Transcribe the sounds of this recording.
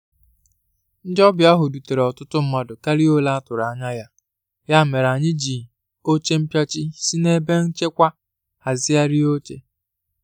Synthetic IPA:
n̩˦dɔ˦bja˦ɦʊ˨du˨te˨ɾe˨ɔ˨tʊ˦tʊ˦m̩˦ma˨dʊ˨ka˦ɾi˦o˦la˦a˦tʊ˨ɾa˨a˨ɲa˦ja˦ | ja˦˨me˨ɾa˨ɲɪ˦d͡ʒi˨ | o˦t͡ʃe˦m̩˦pja˦t͡ʃi˦si˦ne˦be˦n̩˦t͡ʃe˦kʷa˦ | a˨zɪ˦a˦ɾi˦o˦t͡ʃḛ˦

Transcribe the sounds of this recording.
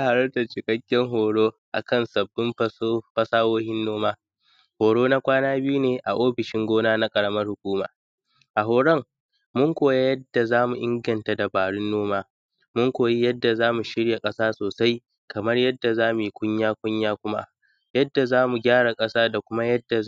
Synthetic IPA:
a˦ha˨ɽɐ˦tɐ˨t͡ʃɪ˨kʼɐ˦kʲːɛ˦ŋɦoː˨ɽoː˦ʔa̰˨kɐ˦nsɐ˨bːɪ˦mɸɐ˦ɸɐ˦saː˦woː˦hɪ˦nːoː˦maː˦ | hoː˨ɽoː˦na˦kʷaː˦naː˦bɪ˦ju˦neː˨ʔa̰˨ʔoː˦ɸɪ˨ʃɪ˦ŋɡʷoː˦naː˦na˦kʼɐ˨ɽɐ˦mɐ˦rhʊ˨kʷuː˦ma̰ː˨ | ʔa˨ɦoː˨ɽɐ˦ŋ | mʊ˦ŋkʷoː˨ja˦jɐ˦dːa˨zaː˦mu˨ʔɪ˦ŋɡɐ˨nta˨da˨baː˨ɽʊ˦nːoː˦maː˦ | mʊ˦ŋkʷoː˨ji˦jɐ˦dːa˨zaː˦mu˨ʃɪ˦ɽja˨kʼɐ˦saː˦soː˨sa˦j | kʰɐ˨mɐ˦rjɐ˦dːa˨zaː˦mu˨ji˦kʷʼʊ˦ɲjaː˦kʷʊ˦ɲjaː˦kʷʊ˦ma̰˦ | jɐ˦dːa˨zaː˦mu˨ɡʲaː˦ɽa˨kʼɐ˦saː˦da˨kʷʊ˦ma˦jɐ˦dːa˨

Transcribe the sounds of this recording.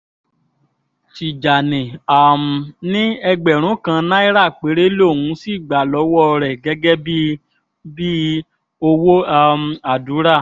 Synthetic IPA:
ʃi˨d͡ʒa˨nɛ̃˨a˨m̩˨nĩ˦ɛ˧ɡ͡bɛ˨ɾ̃ũ˨˦kã˧nã˦i˦ɾa˦˨k͡pe˨˦ɾe˦lo˦˨wũ˨˦si˦˨ɡ͡ba˨lɔ˨˦wɔ˦˧ɾɛ˨ɡɛ˨˦ɡɛ˦bi˦ | bi˦ | o˧wo˦a˧m˧a˨du˨˦ɾa˦˨

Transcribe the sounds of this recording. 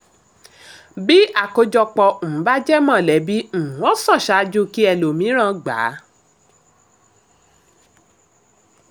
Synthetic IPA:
bi˦a˦˨ko˧d͡ʒɔ˧k͡pɔ˧o˨ũ˨˦ba˦d͡ʒɛ˦mã˦˨lɛ˨˦bi˦ñ̩˨˦ɔ̃˦sɔ̃˦˨ʃa˨˦d͡ʒu˦ki˦ɛ˧lo˨mĩ˨˦ɾ̃ã˦˨ɡ͡ba̰˨˦

